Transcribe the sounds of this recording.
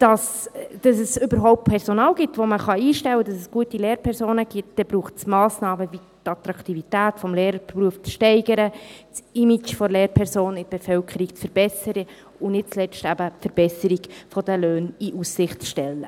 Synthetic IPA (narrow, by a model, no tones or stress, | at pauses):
d̥ɑsd̥ɑsɛsʏbəɾɦɔʊp̚t̚pʰɛɾzonɑːlɡitvoməχɑiːʃtɛwədɑsɛsɡ̥uətileːɾpʰɛɾsoːnəɡ̥itd̥ɛb̥ɾuːχt͡smɑːsnɑːməvi | tɑt̪ɾɑktivitæːtfɔmleːɾəpruəft͡sʃtɛɪɡəɾət͡simit͡ʃfɔɾleːɾpʰɛɾsoːnɪdb̥ɛfœlkʰəɾikt͡sfəɾb̥ɛsəɾə | ʊnɪt̚t͡slɛt͡stæbəfəɾb̥ɛsəɾiɡfɔd̥əløːniʔusːɪχtt͡sʃtɛlːə